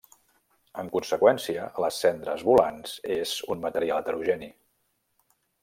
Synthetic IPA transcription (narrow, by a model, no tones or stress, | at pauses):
əŋkunsəkwɛnsiələsːɛnd̪ɾə̰zβulanz̥ez̥unmət̪əɾialˠət̪əɾuʒɛni